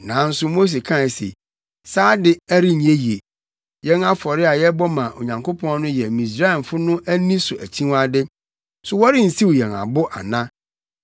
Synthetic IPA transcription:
nã˨˦n̩˦sʊ˦mo˦s̬e˨kʰã˦ɪ˨sḛ˨ | saː˦dɪ˦æ˦ɾi˦ɲ˨e˦ji˨e˨ | jɛ̃˦na˦fɔ˨ɾɪ˦a˨jɛ˦bɔ˦mã˨ʔo̰˨ɲã˨ŋkʊ˦pʰɔ̃˦n˦nʊ̃˦jɛ˨mĩ˨sɾa˦ɛ˨nfʊ˦nʊ̃˦ʔæ˦nĩ˦sʊ˨ʔæ̰˨t͡ɕʰĩ˦wa˦dɪ˦ | sʊ˨wɔ˦ɾɪ˦n̩˨si˦wjɛ̰˨ŋa̰˨bʊ˦ʔa̰˨nã˦

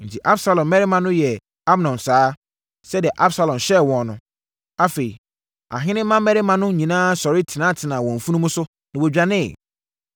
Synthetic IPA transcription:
n̩˨tʰi˨ʔa˦bsa˨lɔ̃˨mː˦ɛ˦ɾɪ˦mã˦nʊ̃˦jɛ˨ | a˦bnɔ̃˨msaː˨˦ | sɛ˦dɪ˨ɛ˨ʔa˦bsa˨lɔ̃˨mɕɛ˦˨wɔ̃˨nʊ̃˦ | a˦fe˨i˨ | a̰˨ɦɪ̃˦nɪ̃˦mã˦mɛ˦ɾɪ˦mã˦nʊ̃˦ɲĩ˨nãː˦sɔ˨ɾɪ˦tʰi˨nãː˦tʰɪ˨nã˨wɔ̃˨ɱ̩˨fũ˦nũ˦mũ˦sʊ˦ | nã˨wɔ˨d͡ʑᶣɾa˨nɪ̃˦˨

